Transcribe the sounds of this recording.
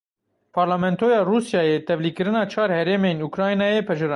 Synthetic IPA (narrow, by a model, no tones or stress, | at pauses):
pʰɑɾlɑmɛnt̪ʰojɑrusjɑjɛt̪ɛvlikəɾənɑt͡ʃʰɑɾhɛɾɛmɛnukɾɑjnɑjɛpʰɛʒəɾɑ